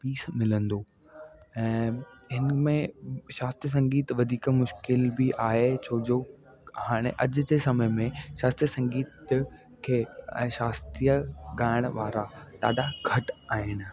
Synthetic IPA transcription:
piːsmɪlə̃nd̪oː | ɛ̃ːɦɪnmẽʃaːst̪ɾiəs̬ɐ̃ŋɡiːt̪ʋɐd̪ʱiːkmʊʃkɪlbiʔaːɦet͡ɕʰoːd͡ʑoː | haːɽ̃eʔɐd͡ʑʊ̆d͡ʑesɐməmẽʃaːst̪ɾijəsɐ̃ŋɡiːt̪ | kʰẽːʃaːst̪iːjəɠaːɪɽ̃ʋaːɾat̪a̰ːɗaɡʱɐʈaːɦɪn̆

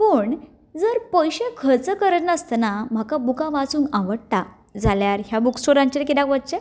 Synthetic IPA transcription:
puːɳ | d͡zəɾpəjɕekʰəɾt͡səkəɾət̪nəst̪ənam̤akabukãʋat͡sũːŋɡãʋəɽʈ̪a | d͡zaljaɾɦjabuksoɾãɲt͡ɕeɾkid̪ãkʋət̪̚t͡ɕe

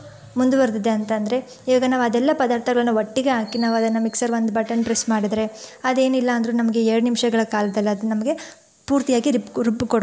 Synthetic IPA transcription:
mund̪uʋɐɾd̪id̪eɐnt̪ɐnd̪ɐɾe̞ | iʋiːɡɐnaːʋuɐd̪ɛlːɐpɐd̪aːɾt̪ʰɐɡɐɭɐlːnːuʋɐʈːiɡeɦaːkinaːʋuɐd̪ɐnːɐmiksɐɾʋond̪ubɐʈɐnpɾesmaːɽid̪ɾe̞ɐd̪e̞ːnilːɐːnd̪ɐɾunɐmɐɡe̞ɛɾɽunimʃɐɡɐɭɐkaːlɐd̪ɐlːiɐd̪unɐmɐɡe̞ | puːɾt̪ijaːɡiɾiɾupːukoɽ

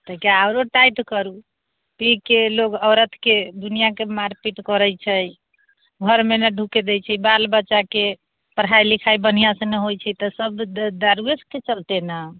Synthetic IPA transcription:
t̪əkaaʊɾoʈajʈkəɾu | pikeloɡəɾət̪ʰked̪unijakemaɾpiʈkɔɾəjt͡ʃʰəj | ɡʱəɾmeneɖʱuked̪ɛjt͡ʃʰɛbalbətːt͡ʃake | pəɾɦajlikʰajbən̤ijasə̃neɦojt͡ʃʰɛt̪ɔsəbd̪aɾuesket͡ʃəlt̪ena

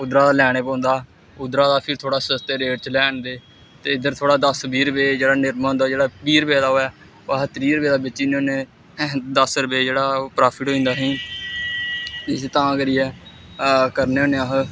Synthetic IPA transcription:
ʊd̪ɾaːd̪aːlɛːɽ̃eːpɔ̃ːnd̪aː | ʊd̪ɾaːd̪aːpʰɪɾt̪ʰoːɽaːsst̪eːɾeːʈ̚t͡ʃlɛːɳd̪eː | t̪eːɪd̪əɾt̪ʰoːɽaːd̪əsbiːɾəpeːd͡ʒeːɽaːnɪɾmaːõːnd̪aːd͡ʒeːɽaːbiːɾpeːd̪aːɦoːɛː | əɦət̪əɾiːɾəpeːd̪aːbɪt͡ʃːiːneoːnẽː | d̪əsɾəpeːd͡ʒeːɽaːpɾaːpʰɪʈɦoːĩːnd̪aːɦĩː | ɪset̪ãːkəɾiːɛː | kəɾneːoːnẽːəɦ

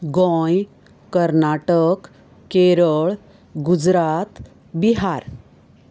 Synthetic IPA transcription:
ɡɔ̃j | kəɾnaʈək | keɾəɭ | ɡud͡zɾat̪ | biɦaɾ

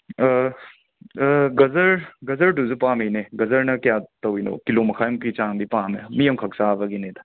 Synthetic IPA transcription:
ɡɐzɐɾɡɐzɐɾʈuzupãːmineɡɐzɐɾnɐkʲjaːt̪ɐwino̰ːkiloːmɐkʰaːjmkit͡ʃãːmb̪ipãːmemijɐmkʰɐksaːbɐɡineːt̪a

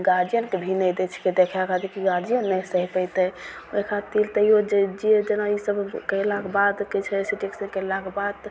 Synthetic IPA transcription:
ɡad͡ʒijənkebʱinəjd̪et͡ʃʰi̥ked̪ekʰjakad̪ikiɡad͡ʒijənːɛsəɦipəjt̪əj | ekʰat̪ilt̪əɦiod͡ʒd͡ʒied͡ʒənaisəbkəjlakebad̪kit͡ʃʰɛsiʈeksənkəlakebad̪

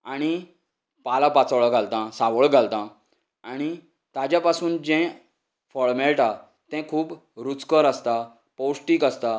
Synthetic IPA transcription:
aɽ̃i | palapat͡sʋɭɡʱalt̪ãsaʋəɭɡʱalt̪ã | aɽ̃i | t̪ad͡ʑjapasuːnd͡ʑɛ̃ | fɔɽmɛlʈa | t̪ɛ̃kʰuːb | ɾut͡skəɾəst̪a | powsʈiːkəst̪a

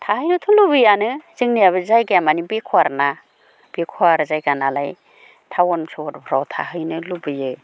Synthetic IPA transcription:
tʰahɯjnɯtʰumlubɯjanɯz̥ɯŋnijaβɯzajɡejamanibekʰwaɾna | b̥ekʰuaɾzajɡanala̰j | tʰawɔnsɔɔt̚bʰʱɾawtʰa̰ɦɯjnɯlubɯjɯ

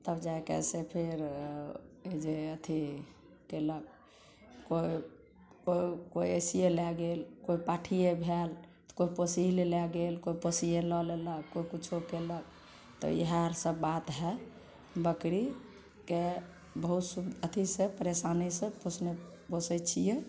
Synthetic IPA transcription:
t̪əbd͡ʒaekḛsepʰeɾ | ed͡ʒeət̪ʰi | kelək̚ | koi | koikoiesijelɛɡelkoipaʈʰijebʱelt̪ɔ̥koiposiɦlelɛɡelkoiposijelɔleləkkːoikut͡ʃʰokelək̚ | t̪ɔ̰ḭɦaɾsəbbat̪ɦɛ | bəkɾi | ke | bəɦut̪subd̪ət̪ʰisẽpəɾesanisẽposʰne | posɛt͡ʃʰije

